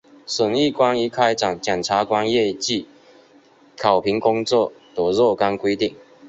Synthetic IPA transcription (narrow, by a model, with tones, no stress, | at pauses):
ʂə˨˩ŋi˥˨kwa˦ni˧˥kʰa˦˥ɪʈ͡ʂɑ˨˩ŋt͡ɕjɛ˨˩nt͡sʰa˨˥kwa˦njɛ˥˧t͡ɕi˥˨ | kʰa˨˩ʊpʰi˨˦˥ŋkʊ˥ŋt͡swɔ˥˨t̪ɔ˨˩zɔ˥˨ka˦nkwe˥ɪt̪i˥˨ŋ